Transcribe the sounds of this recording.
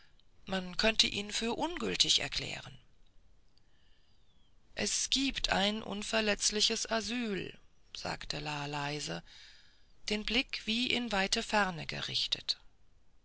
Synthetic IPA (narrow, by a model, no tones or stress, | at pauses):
mankʰœntʰəʔiːnfyːɐʔʊnɡʏltʰɪçɛ̰ɐkʰlɛ̰ːʁən | ʔɛsɡ̥iːptʰa̰ɪnʔʊ̰nfɛɐlɛt͡slɪçəsʔazyːlz̥a̰ːktʰəlaːlaɪzə | d̥eːnblɪkv̥iːʔɪnvaɪtəfɛʁnəɡə̰ʁɪ̰çtʰət